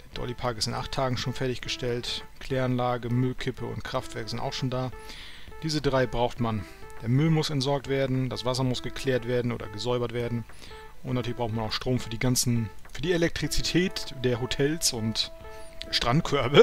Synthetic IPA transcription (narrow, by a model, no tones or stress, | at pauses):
d̥ed̥ɔ̰lipʰaɐkɪstɪnʔa̰χtʰːaːɡŋ̩ʃoːnfɛɐtɪçɡ̥əʃtɛltkʰl̥ɛːanlaːɡəmʏlkʰɪpʰəʊ̰ntkʁ̥aftv̥ɛɐkəzɪnta̰ʊxʃoːndaː | d̥iːzədʁaɪbʁaʊxtmand̥eːɐmʏlmʊsɛntz̥ɔɐk̚tv̥eːɐdn̩dasv̥asɐmʊsɡ̥əkʰl̥ɛːɐtv̥eːɐdn̩ʔo̰ːdɐ̰ɡəzɔʏbɐtv̥eːɐdn̩ | ʔʊntnatyːɐɪçbʁaʊktmanaʊxʃtʁ̥oːmfyːɐdiːɡansn̩fyːɐdiːelɛk̚tʁ̥it͡sitʰɛːtd̥eːɐɦotʰɛlsʊnt | ʃtʁ̥antkʰœɐbə